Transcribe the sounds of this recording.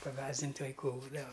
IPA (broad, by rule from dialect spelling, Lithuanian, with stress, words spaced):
pɐˈɡɑːzʲdʲɪnʲtʲ ʋɐɪˈkuː ˈbuːdɐʋɐ